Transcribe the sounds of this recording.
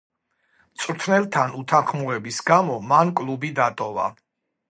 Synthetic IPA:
t̪sʼɾt̪ʰnɛlˠt̪ʰanut̪ʰanχmuɾɛbisɡamɔmankʼlˠubid̪at̪ʼɔva̰

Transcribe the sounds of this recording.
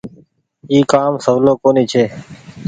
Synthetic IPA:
iːkaːmsəʋloːkoːniːt͡ʃʰeː

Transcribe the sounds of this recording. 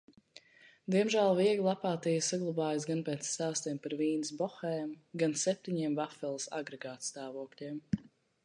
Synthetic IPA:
d̪iɛmʒæːlˠviɛɡlˠapaːt̪ijsaɡlˠabaːjas̬ɡanpɛːt̪st̪aːst̪ɛmpaɾviːnsbɔxɛːmɡansɛp̚t̪iɲiɛmvafɛlˠsa̰ɡɾɛɡaːt̪st̪aːvuɔklʲiɛm

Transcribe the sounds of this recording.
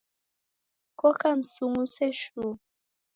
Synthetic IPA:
kɔkam̩suŋusɛʃu

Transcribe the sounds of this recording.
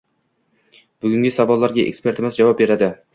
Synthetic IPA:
b̥ʊɡʲʊŋɡʲɪsavɒlˠːaɾɡʲaʔḛkʲspe̞ɾt̪ɪmɪzd͡ʒavɑp̚be̞ɾad̪ɪ

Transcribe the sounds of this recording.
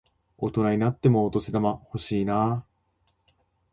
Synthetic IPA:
o̞t̪o̞naɲ̟inat̪ːe̞mo̞ːt̪o̞sed̪amaho̞ɕiːna

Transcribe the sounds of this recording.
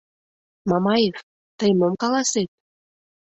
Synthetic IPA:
mɑmɑjef | t̪əjmomkɑlɑset̪̚

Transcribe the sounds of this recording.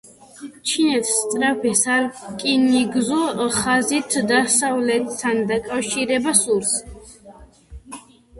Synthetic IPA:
t͡ʃʰinɛt̪ʰst̪sʼɾapʰɛsakʼiniɡzɔχazit̪ʰd̪asavlɛt̪ʰːand̪akʼafʃiɾɛbasuɾs

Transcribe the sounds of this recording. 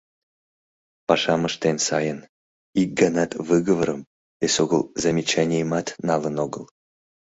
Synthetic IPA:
pɑʃɑməʃt̪ensɑjən | ik̚ɡanɑt̪vɨɣəvəɾəm | esoɡəlˠzamʲit͡ɕanʲejmɑt̪nɑlənoɡəlˠ

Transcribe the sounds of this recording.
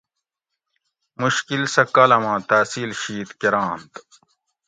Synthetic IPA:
muɕkilsɐkɐlɐmãːt̪aːsiːlɕiːt̪keɾãːnt̪

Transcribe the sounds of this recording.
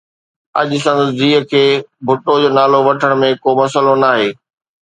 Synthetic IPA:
ɐ̰ʄʊ̆sɐ̃nd̪əsd͡ʑiːɦkʰeːbʱʊʈod͡ʑoːnaːloʋɐʈʰəɽ̃mẽkoːmɐsəlonaːɦeː

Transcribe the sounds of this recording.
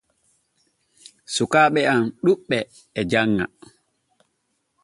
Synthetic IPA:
sukaːɓɛanɗuɓːɛː | d͡ʒaŋːa̰

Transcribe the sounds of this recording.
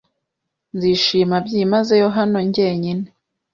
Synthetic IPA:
nziːʃiːmabɟimaze̞jo̞ɦano̞ɲɟe̞ːɲine

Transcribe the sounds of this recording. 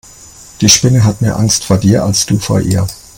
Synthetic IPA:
d̥iːʃpɪnəɦatmeːɐʔaŋstfoːɐdiːɐʔalsd̥uːfo̰ːɐʔḭːɐ

